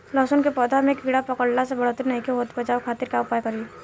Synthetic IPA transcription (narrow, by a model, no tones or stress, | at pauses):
lɔːsənkepɔːd̪ʱamẽkiːɽapɐkəɽlasebɐɽ̤ot̪iɾnɐɦĩkeɦoːt̪bɐt͡ʃaːwkʰaːt̪ɪɾkaʊpaːjkɐɾi